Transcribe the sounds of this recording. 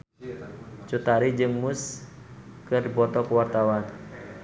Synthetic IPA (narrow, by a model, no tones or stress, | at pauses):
t͡ʃut̪aɾid͡ʒɨŋmʊs | kɨrbɔt̪ɔkəwart̪awan